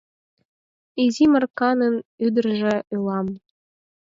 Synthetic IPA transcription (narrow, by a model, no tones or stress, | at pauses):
izimɤ̆rkɑnɤ̆nyd̪ɘ̆rʒĕʔylˠɑm